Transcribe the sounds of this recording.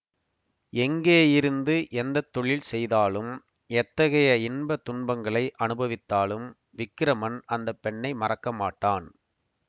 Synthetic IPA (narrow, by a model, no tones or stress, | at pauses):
ɛŋɡeːjɪɾɯnd̪ɯʔɛnd̪ɐt̪ːɔɭɪlsɛjðaːlɯm | ɛt̪ːɐɣɐjɐɪnbɐt̪ːʊɳbɐŋɡɐɭɐɪʔɐnɯbɐʋɪt̪ːaːlɯm | ʋɪkːɪɾɐmɐnɐnd̪ɐpːɛɳːɐɪmɐrɐkːɐmaːʈːaːn